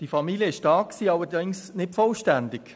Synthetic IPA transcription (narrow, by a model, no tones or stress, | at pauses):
d̥ifɑmilijəɪʃdɑːkksiːɑlədɪŋsnɪtfɔlʃtændɪk